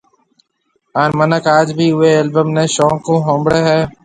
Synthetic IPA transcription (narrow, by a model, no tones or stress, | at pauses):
aːnmənəkaːd͡ʒbʱiːʊɦeːeːlbəmnẽːʃɔ̃ːkõːɦõːmbɽeːɦɛː